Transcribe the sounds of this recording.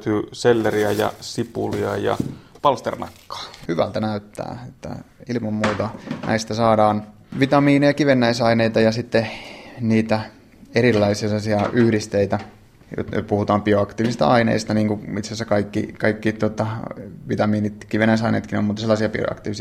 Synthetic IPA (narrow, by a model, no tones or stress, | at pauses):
t̪yːselːeriæjɑ̰sipṵliɑjɑ̰pɑlst̪ḛrnɑ̰kːɑ̥ːhyʋæ̰lt̪ænæyt̪ːæ̰ːet̪ːæ̰ilmɑmmuːt̪ɑnʔæ̰ist̪æsɑːdɑːn | ʋit̪ɑmiːnejɑkiʋenːæisɑineit̪ɑjɑsit̪ːeniːt̪æ | erilːɑiseɑsiɑʔyhɾist̪eit̪æ | jo̰t̪no̰t̪puhut̪ɑːmpioɑkt̪iːʋisist̪ɑ̰ɑinḛist̪ɑniːŋkuit̪sesːækɑikːikɑikːiːt̪ot̪ɑʋit̪ɑmiːnit̪kiʋenːˑæisɑinḛit̪kino̰mut̪ːselːɑˑsiɑpio̰ɑ̰kt̪iːʋis